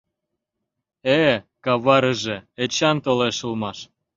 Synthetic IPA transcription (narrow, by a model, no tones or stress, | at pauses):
ekɑβɑɾəʒeet͡ɕɑnt̪oleʃəlmɑʃ